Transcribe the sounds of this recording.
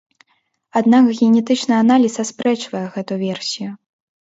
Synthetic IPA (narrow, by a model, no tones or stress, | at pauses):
ad̪nakɣʲɛnʲɛt̪ɨt͡ʂnɨanalʲisɐspɾɛt͡ʂvɐjɛɣɛt̪uvʲɛrsʲiju